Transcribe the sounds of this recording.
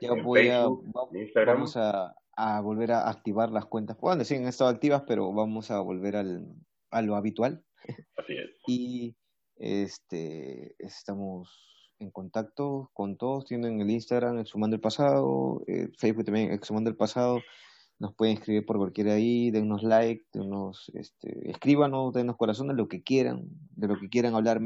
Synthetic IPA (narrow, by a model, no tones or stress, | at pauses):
ɟ͡ʝaβojaaisaɾbamosaː | βolβe̞ɾaʔak̚t̪iβaɾlaskwe̞nt̪aswond̪esiaŋest̪aðoak̚t̪iβaspe̞ɾo̞̰βamo̞saβo̞̰lβe̞ɾal | alo̞aβit̪wal | asiḛsi | ḛst̪eḛst̪amos | e̞ŋko̞nt̪ak̚t̪o̞ko̞nt̪o̞ðost̪jend̪oeŋelinst̪aɣɾameksumãnd̪oelpasaðo̰ḛfejzβuk̚t̪ambjeŋʔḛksumãnd̪oelpasaðo | no̞spweðeŋeskɾiβiɾpo̞ɾkwalkje̞ɾaaiðeŋno̞zlajk̚d̪ḛŋnosḛst̪ʰḛḛskɾiβano̞sd̪eŋnoko̞ɾas̬o̞nd̪elo̞kekje̞ɾa̰ŋd̪e̞lokekje̞ɾaŋaβlaɾ